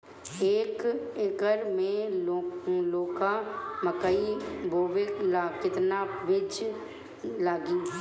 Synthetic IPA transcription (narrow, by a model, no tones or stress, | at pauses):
eːkekəɾmẽ | loːkaməkəibʱoːʋeklakɪt̪naʋɪd͡ʒ | laːɡĩ